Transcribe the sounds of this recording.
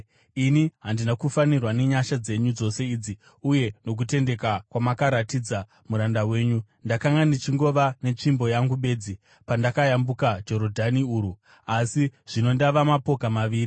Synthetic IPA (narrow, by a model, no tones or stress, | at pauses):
iniɦandinakufanirwane̞ɲaʃad͡ze̞ɲud͡zo̞se̞id͡zi | uje̞no̞k̬ute̞nde̞kakwamakaɾatid͡za | muɾandawe̞ːɲu | ndakaŋɡanit͡ʃiŋɡo̞ʋanet͡ʂimbo̞jaŋɡuɓe̞ːd͡zi | pandakajambukad͡ʒo̞ɾo̞dʱaniuːɾu | asiʐ̥ino̞ndaʋamapo̞kamaʋiːri